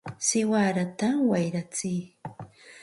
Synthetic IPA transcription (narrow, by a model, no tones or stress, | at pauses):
sɪwaɾat̪awajɾat͡sɪj